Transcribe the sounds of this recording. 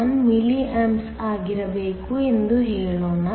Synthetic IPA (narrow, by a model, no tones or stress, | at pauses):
ɐnmiliʔɐms | aːɡiɾɐbeːkuend̪uɦeːɭoːnɐ